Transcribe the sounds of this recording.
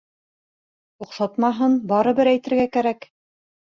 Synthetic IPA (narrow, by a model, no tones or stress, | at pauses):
uqsɑt̪mɑɦɤnbɑɾɤ̆bɘɾæjt̪ɘ̆ɾɡækæɾæk